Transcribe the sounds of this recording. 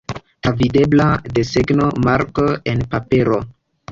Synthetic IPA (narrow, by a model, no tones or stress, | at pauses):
avide̞blade̞seɡno̞maɾkoenpapeɾo̞